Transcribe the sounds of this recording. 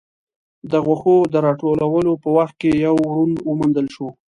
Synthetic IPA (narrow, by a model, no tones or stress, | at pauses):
d̪əɣwaxod̪əɾɑʈolawəlopəwaxt̪̚kejawɾunwəmund̪əlʃo